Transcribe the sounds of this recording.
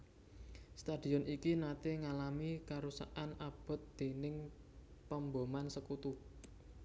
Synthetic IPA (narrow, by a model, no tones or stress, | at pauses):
st̪ad̪̥i̤ɔnikinat̪eŋalamikaɾusa̰ʔanab̥ɔ̤t̪̚d̪̥e̤nɪŋ | pəmbomansəkut̪u